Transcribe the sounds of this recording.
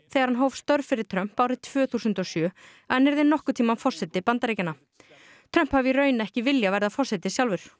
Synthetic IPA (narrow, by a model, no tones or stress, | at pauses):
θɛɣaɾhanɦowvst̪œɾfɪɾɪɾ̥t̪ʰɾœm̥pawɾɪt̪ʰv̥œːθusʏnt̪ɔsjœ | ɛnːɛɾðɪnːɔhkʏt̪ʰiːmanfɔr̥sɛt̪ɪpant̪aɾejcɪnːa | t̪ʰɾœm̥phaviɾœːɥnɛhcɪvɪljavɛɾðafɔr̥sɛt̪ɪsjawlvʏɾ̥